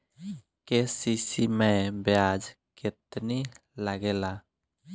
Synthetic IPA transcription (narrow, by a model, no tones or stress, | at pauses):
kesisimẽbjad͡ʒ | ket̪ni | laɡela